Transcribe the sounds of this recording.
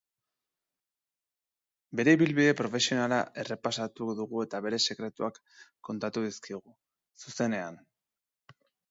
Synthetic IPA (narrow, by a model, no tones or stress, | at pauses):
be̞ɾe̞iβilβiðe̞pɾo̞fe̞sio̞nalaʔe̞re̞pasat̪uðuɣue̞t̪aβe̞ɾe̞se̞kɾe̞t̪uakː | o̞nt̪at̪uðiskiɣ̞u | suse̞ne̞an